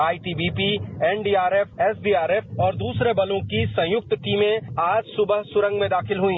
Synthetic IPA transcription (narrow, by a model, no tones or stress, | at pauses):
aːiʈiːbiːpiɛːnɖiːaːɾeːfɛːsɖiːaːɾeːfɔːɾd̪uːsɾebɐlõkisɐ̃jʊk̚t̪ʈiːmẽaːd͡ʒsʊbəɦsʊɾə̃ŋɡmẽd̪aːxɪlɦʊĩː